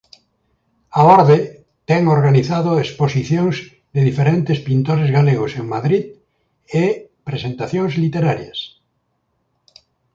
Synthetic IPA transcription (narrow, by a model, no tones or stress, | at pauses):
aoɾðe | t̪ɛŋoɾɣaniθaðoesposiθjõŋz | ðeðifeɾẽnt̪espint̪oɾezɣaleɣoseŋmaðɾið | epɾesẽnt̪aθjõŋzlit̪eɾaɾjɐs